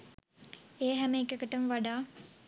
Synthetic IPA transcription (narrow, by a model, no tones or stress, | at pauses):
eːəɦæmeːkɐkəʈəmʋaɖaː